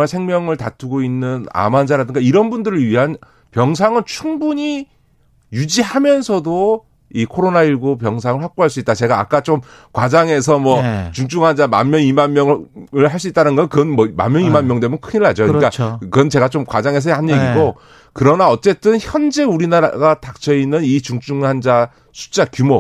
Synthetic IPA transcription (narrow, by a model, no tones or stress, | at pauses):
asʰe̞ŋmjʌŋɯɭtatʰuɡoinːɯna̰mand͡ʑaɾadɯŋɡaiɾʌnbundɯɾɯɭɥiɦan | pjʌŋs̬ʰaŋɯɭt͡ɕʰuŋbuɲi | jud͡ʑiɦamjʌnsʰʌdo | ikʰoɾonaiɭɡopjʌŋs̬ʰaŋɯɭɸwak̚k͈oɦaɭs͈uit͈̚at͡ɕe̞ɡaːk͈at͡ɕom | kwad͡ʑaŋe̞s̬ʰʌmwʌt͡ɕuŋt͡ɕ͈uŋɦand͡ʑama̰nmjʌnimanmjʌŋɯɭɦaɭs̬͈uit͈anɯnɡʌnkɯʌnmʌma̰mjʌnimanmjʌŋdemunkʰɯɲiɭad͡ʑokɯɲik͈akɯʌnt͡ɕe̞ɡat͡ɕomkwad͡ʑaŋe̞s̬ʰʌɦanjeɡiɡo | kɯɾʌnaʌt͡ɕ͈e̞t͈ɯnçjʌnd͡ʑe̞uɾinaɾa̰ɡatak̚t͡ɕʌinːɯnit͡ɕuŋt͡ɕ͈uŋɦand͡ʑa | sʰu̥t͡ɕ͈akjumo